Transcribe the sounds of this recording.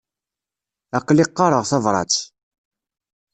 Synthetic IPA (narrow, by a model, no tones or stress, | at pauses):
æqːlɪqːɑɾˤəʁθɑvɾˤɑ̰t͡s